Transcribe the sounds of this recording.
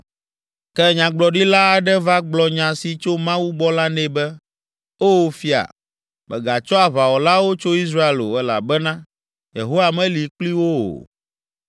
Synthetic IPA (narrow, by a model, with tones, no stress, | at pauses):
kɛ˦ɲã˨ɡ͡blɔ˨ɖi˦la˦a˨ɖɛ˦va˦ɡ͡blɔ˨ɲã˨si˨t͡ʃo˦mã˦wu˦ɡ͡bɔ˦la˦nɛ̃˨bɛ˦ | o˦˨fi˦a̰˨ | mʔɛ̰˨ɡa˨t͡ʃɔ˦a˨βa˨wɔ˨la˦wo˦t͡ʃo˦i˦s̬ɾa˦e˦lo̰˨ɛ˦la̰˨bɛ˦nã˦ | jḛ˨ɦo˦wa˨mɛ̃˦li˨k͡pli˦wo˦o̰˨